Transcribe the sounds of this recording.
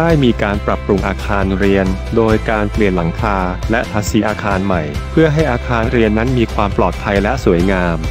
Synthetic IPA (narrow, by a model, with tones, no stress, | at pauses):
daː˥˩jmiː˧kaː˧npɾa˨˩pɾu˧ŋʔaː˧kʰaː˧nɾi˧əndoː˧jkaː˧npli˨˩ənla˩˦ŋk̪ʰaː˧lɛ˦˥t̪ʰa˦˥si˨˩˥ʔaː˧kʰaː˧nma˨˩jpʰɯ˥˩əɦa˥˩jʔaː˧kʰaː˧ɾi˧ənːa˦˥nmiː˧kʰwaː˧mplɔː˨˩t̪̚pʰa˧jlɛ˦˥ʔsuː˩˦əjŋaː˧m